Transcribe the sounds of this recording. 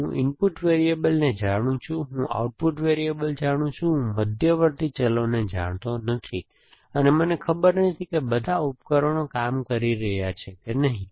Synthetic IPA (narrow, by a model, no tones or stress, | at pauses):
ɦũʔɪnpuʈʋeɾiebəlned͡ʒaɽ̃ũt͡ʃʰũɦũʔa̰uʈ̚puʈʋeɾiebəld͡ʒaɽ̃ũt͡ʃʰũɦũməd̪ʱjəʋəɾt̪it͡ʃəloned͡ʒa̰ɽ̃t̪onət̪ʰi | ənemənekʰəbəɾnət̪ʰikebəd̪ʱaup̚kəɾonokamkəɾiɾəɦjat͡ʃʰekenəɦĩ